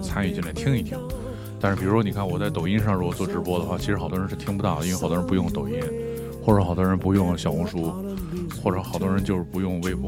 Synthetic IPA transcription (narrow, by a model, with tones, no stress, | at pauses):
t͡sʰa˥ny˥˩t͡ɕnjt̪ʰi˥ŋi˥˩t̪ʰjɑ˧˥˦ | t̪a˥˧ʂɻ̩˥˩pi˨˩ɻʂwɔ˥n˨˩kʰa˥˩nwɔ˨˩t͡sa˥˩ɪt̪o˨˩ŋi˥˧nʂɑ˥˧ŋɻɔ˥˩wɔ˨˩t͡swɔ˥˩ʈ͡ʂɻ̩˧˥pwɔ˥d̪ə˨˧xwa˥˩t͡ɕʰi˧˥ʂɻ̩˧˥xɑ˨˩ʊt̪wɔ˥˧ə˧˥nʂ̩ɻ̩˥˩t̪ʰi˥ŋpu˧t̪a˥˩d̪ə˩i˥wxt̪wɔ˥ɻpu˧˥jʊ˥˩ŋt̪ʊ˨˩ʊi˥˩n | xwɔ˥˩ʈ͡ʂɤ˧˥xɑ˨˩ʊd̪wɔ˥ɻə˧˥npu˧˥jʊ˥˩ŋɕjɑ˨ʊʊ˧˥ŋʂu˥ | xwɔ˥˩ʈ͡ʂɤ˨˧˥xɑ˨˩d̪wɔ˥ɻə˧˥nt͡ɕjo˥˧ʂɻ̩˥˩pu˧˥jʊ˥˧ŋwe˥˧ɪf